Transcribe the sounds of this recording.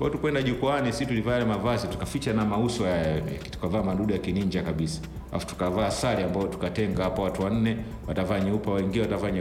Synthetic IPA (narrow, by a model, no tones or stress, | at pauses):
kwatukwɛndaʄukuanisitulivaɛlɛmavazitu̥kafit͡ʃanamausɔjaja̰tu̥kavaːmaɗuɗujakiniɲd͡ʒakaɓisḁ | ʔa̰fu̥tu̥kavaːsaliambaɔtu̥katɛŋɡahapawatuwan̩nɛ | watavaːɲiupawaiŋɡilɛwatavaɲ